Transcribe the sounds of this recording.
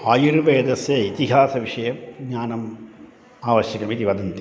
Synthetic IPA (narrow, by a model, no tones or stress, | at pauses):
aːjuɾuʋeːd̪ɐsjɐit̪iɦaːsɐʋiʂɐjɐmɡɲaːnɐm | aːʋɐɕjɐkːɐmit̪iʋɐd̪int̪i